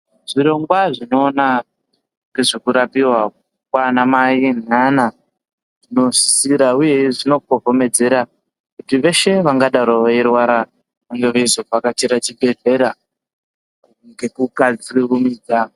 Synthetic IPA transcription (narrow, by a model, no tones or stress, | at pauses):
ʐiɾo̞ŋɡwaʐino̞ːna | ŋɡeʐikuɾapiwa | kwanamainana | ʐino̞ʐi̥siɾauje̞ʐino̞kovo̞me̞d͡ze̞ɾa | kutiʋe̞ʃe̞ʋaŋɡaɗaɾooirwaɾa | ʋaŋɡeʋaizoakat͡ʃeɾat͡ʃibʱe̞ɮe̞ɾa | ŋɡe̞kukad͡ziʋumiːd͡za